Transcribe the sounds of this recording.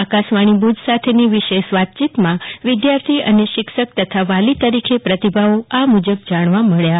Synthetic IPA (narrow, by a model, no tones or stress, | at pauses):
akaʃʋãibud͡ʒsat̪ʰeniʋɪʃeʃʋat̪̚t͡ʃit̪mãʋɪd̪jaɾt̪ʰiə̰neʃɪkʃək̚t̪ət̪ʰaʋalit̪əɾikʰepɾət̪ibʱaoamud͡ʒəb̚d͡ʒaɽ̃ʋãməɭja